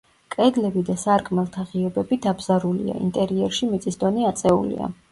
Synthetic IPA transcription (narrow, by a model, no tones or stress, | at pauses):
kʼɛd̪lɛbid̪asaɾkʼmɛlˠt̪ʰaʁiɔbɛbid̪abzaɾulḭa̰ḭnt̪ʼɛɾiɛɾʃimit̪sʼisd̪ɔniat̪sʼɛṵlḭa̰